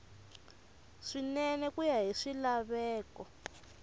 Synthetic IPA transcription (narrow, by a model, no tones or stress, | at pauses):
ʂinɛnɛkujaɦiʂilaβɛːkɔ